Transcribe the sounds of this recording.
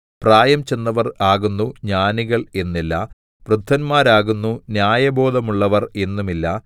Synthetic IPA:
praːjɐmt͡ɕe̞nːɐʋɐraːɣunːuɲaːniɣɐɭe̞nːilːɐ | prud̪ʱːɐnmaːɾaːɣunːunjaːjɐbʱo̞ːd̪ɐmuɭːɐʋɐre̞nːumilːɐ

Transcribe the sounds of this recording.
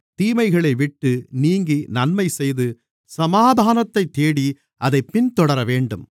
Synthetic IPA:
t̪iːmɐɪɣɐɭɐɪʋɪʈːɯniːŋɡinɐnmɐɪsɛjðɯ | sɐmaːd̪ʱaːnɐt̪ːɐɪt̪ːeːɽi | ʔɐðɐɪpːɪnt̪ɔɽɐɾɐʋeːɳɖɯm

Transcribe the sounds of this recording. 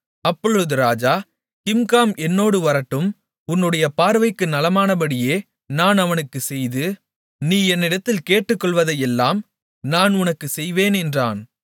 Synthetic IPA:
ɐpːɔɻɯðɯɾaːd͡ʒaː | kɪmkaːmɛnːoːɽɯʋɐɾɐʈːɯm | ʊnːɯɽɐjɐpaːɾʋɐɪkːɯnɐlɐmaːnɐbɐɽɪjeː | naːnɐʋɐnɯkːɯsɛjðɯ | niːɛnːɪɽɐt̪ːɪlkeːʈːɯkːɔɭʋɐðɐjɛlːaːm | naːnʊnɐkːɯsɛjʋeːnɛndra̰ːn

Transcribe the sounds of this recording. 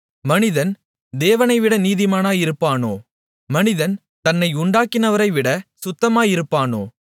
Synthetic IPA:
mɐnɪðɐn | d̪eːʋɐnɐɪʋɪɽɐniːðɪmaːnaːjɪɾɯpːaːno̰ː | mɐnɪðɐn | t̪ɐnːɐɪʊɳɖaːkːɪnɐʋɐɾɐɪʋɪɽɐsʊt̪ːɐmaːjɪɾɯpːaːnoː

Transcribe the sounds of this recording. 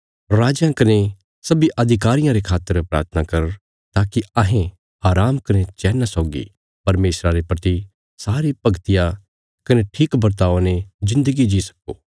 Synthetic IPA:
ɾaːd͡ʒjãkɐne | sɐbiʔɐd̪ʱɪkaːɾɪjãɾekʰaːt̪ːəɾpɾa̰ːɾt̪ʰənakɐɾə | t̪aːkiɐɦẽ | ɦaːɾaːmkɐnet͡ʃɛːnasɔːɡḭ | pɐɾmeːsɾaɾepɾɐt̪i | saːɾipɐɡt̪ɪja | kɐneʈʰiːkbɐɾt̪̬aːonezɪ̃nd̪əɡid͡ʒisɐ̥koː

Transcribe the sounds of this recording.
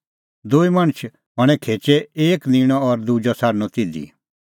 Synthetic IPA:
d̪uimɐɽ̃t͡ʃʰ | ɦɔɽ̃ɛ̃kʰeːt͡ʃɛeːknĩɽ̃ɔ̃ɔɾd̪ud͡ʒɔsʰaːɾnɔt̪ɪd̪ḭ

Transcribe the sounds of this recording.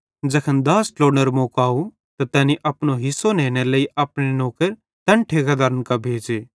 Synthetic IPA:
d͡ʒɐkʰənd̪aːsloːɽnəɾmoːkaːu | t̪at̪ɛːniʔɐpnoɦɪsːoneːneləiʔɐpɽ̃enoːkəɾ | t̪ɐɳʈʰeːkad̪aːɾənkabʱeːd͡ʒeː

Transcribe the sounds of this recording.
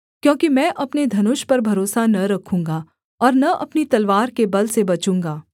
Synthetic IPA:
kjõːkimɛ̃ːʔɐpned̪ʱɐnʊʃpɐɾbʱɐɾoːsanɐɾɐkʰũːŋɡa | ɔːɾnɐʔɐpnit̪ɐlʋaːɾkebɐlsebɐt͡ʃũːŋɡaː

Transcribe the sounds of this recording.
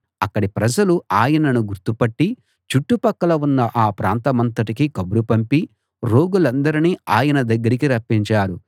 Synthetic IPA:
ɐkːɐɽipɾɐd͡ʒɐluaːjɐnɐnuɡuɾt̪upɐʈːi | t͡ʃuʈːupɐkːɐlɐunːɐʔaːpɾaːnt̪ɐmɐnt̪ɐʈikikɐbuɾupɐmpi | ɾoːɡulɐnd̪ɐɾiniːaːjɐnɐd̪ɐɡːɐɾikiɾɐpːiɲt͡ʃaːɾu

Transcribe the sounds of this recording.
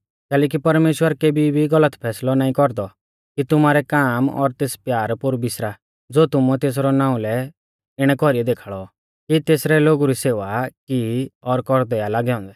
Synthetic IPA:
kɛːlɛːk̬ipɐɾmeːʃwəɾkeːbʱibʱiɡɐlət̪pʰɛːslɔnaːĩkɔɾd̪ɔ | kit̪ʊmaːɾɛkaːmɔ̰ɾt̪eːspjaːɾpʊɾbɪsɾa | d͡zoːt̪ʊmut̪eːs̬ɾɔnãːũlɛ | ɪɽ̃ɛkɔɾiɛd̪eːkʰaːɭɔ | kit̪eːsɾɛloːɡuɾiseːʋakiɔɾkɔɾd̪ɛjalaːɡɛɔ̃ːnd̪ɛ

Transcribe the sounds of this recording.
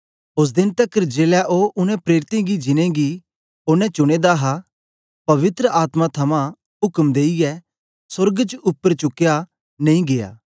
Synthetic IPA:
ʊs̬d̪ɪnt̪ɐkəɾd͡ʒeːlɛʔoːʔʊnɛ̃pɾeːɾɪt̪ẽɡid͡ʒɪnẽɡi | oːnɛ̃t͡ʃʊɽ̃eːd̪aɦa | pɐʋɪt̪ɾəʔaːt̪mat̪ʰɐmã | ɦʊkmd̪eːijɛ | sʊɾɡt͡ʃʊpːəɾt͡ʃʊkja | nɐ̃ĩɡeja̰ː

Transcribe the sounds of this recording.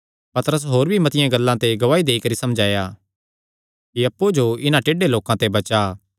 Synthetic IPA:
pɐt̪əɾəs̬ɦoːɾbʱimɐt̪ɪjãɡɐlːãt̪eɡɐʋaːid̪eːikɐɾisɐmd͡ʒʱaːjaː | kiɐpːud͡ʒoɪnãʈeːɖeloːkãt̪ebɐt͡ʃa

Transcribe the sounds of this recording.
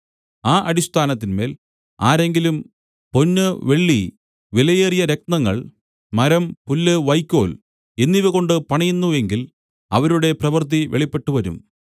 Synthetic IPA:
aːʔɐɾist̪ʰaːnɐt̪ːinme̞ːl | aːɾe̞ŋɡilum | po̞nːɨʋe̞ɭːi | ʋilɐjeːrijɐɾe̞k̚nɐŋːɐɭ | mɐɾɐmpulːɨʋɐjkʲːo̞ːl | e̞nːiʋɐko̞ɳɖɨpɐɳɐjunːue̞ŋɡil | ɐ̰ʋɐɾuɽe̞prɐʋɨrt̪̬iʋeɭipːe̞ʈːuʋɐɾṵm

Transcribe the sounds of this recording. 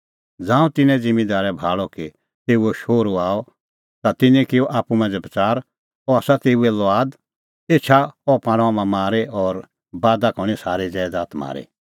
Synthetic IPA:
d͡zãːũt̪ɪnɛ̃d͡zɪ̃mĩd̪aːɾɛbʱaːɭɔki | t̪eːuɛʃoːɾoaːɔ | t̪at̪ɪnɛ̃kɪɔʔaːpːumãd͡zɐbɐt͡saːɾ | ɔaːsat̪eːuɛlɔaːd̪ | et͡ʃʰaɔpãːɽ̃amãmaːɾeɔːɾ | baːd̪akɔɽ̃isaːɾed͡zɛːd̪aːt̪ma̰ːɾḛ

